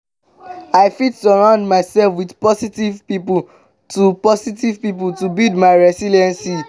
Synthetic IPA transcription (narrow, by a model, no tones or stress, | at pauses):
aɪfitsəɹãʊ̃ndmaɪsɛlfwidpɔsitivpipu | tupɔsitivpip̬ultubildmaɪɹɛsiliɛ̃nsi